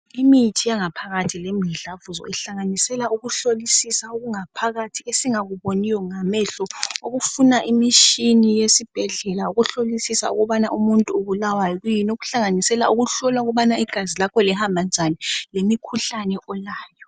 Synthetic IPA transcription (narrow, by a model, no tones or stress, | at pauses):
imitʰijaŋapʰaɣatʰilemiɮavuzɔ̰ɛɬaŋanisɛlaʔuɣuɬolisisauɣuŋapʰaɣatʰiesiŋaɣuβonijɔŋamɛɬɔoɣufunaʔimiʃinijesib̥ʱɛɮɛlauɣuɬolisisa̰ṵɣɔβanaʔumuntʼuuβulawajɔɣujinoɣuɬaŋanisɛla̰uɣuɬɔlauɣɔβanaiɡ̥ʱazilakʰɔlɛhambʱand͡ʒʱanɛlemikʰuɬanɛʔɔlaːjɔ